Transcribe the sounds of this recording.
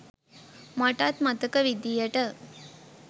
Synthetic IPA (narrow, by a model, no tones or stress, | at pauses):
mɐʈat̪mɐt̪əkəʋid̪ijəʈə